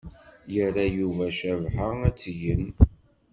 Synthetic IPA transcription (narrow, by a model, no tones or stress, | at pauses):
jərːajuvæʃævħaæt͡sːʝən